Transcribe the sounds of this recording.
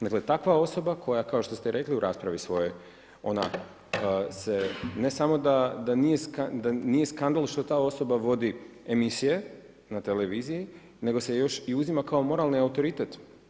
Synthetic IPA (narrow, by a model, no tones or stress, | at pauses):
d̪aklet̪akʋao̞so̞bakʰo̞jakao̞ʃt̪o̞st̪eɾʔe̞kliuɾʔaːspɾaʋisʋo̞jo̞j | o̞̰na | se̞ne̞samo̞d̪ad̪anije̞skad̪anije̞skand̪alˠʃt̪ot̪aːo̞so̞baʋo̞d̪i | emisije̞ | nat̪e̞le̞ʋiziji | ne̞ɡo̞sejo̞ʃiuzimakaomo̞ɾalˠniaut̪o̞ɾit̪et̪